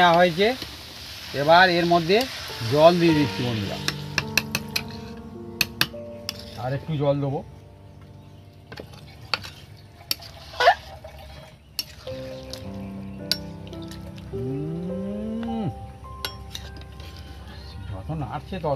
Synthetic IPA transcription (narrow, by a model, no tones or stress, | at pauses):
aɦoet͡ɕe | eβaɾeɾmod̪ʱːed͡ʑɔld̪id̪it̪ʰːibond̪iɾa̰ | aɾek̚ʈud͡ʑɔld̪ebo | d͡ʒɔ̰tʰonaa̰ɾt͡ɕʰet̪ɔ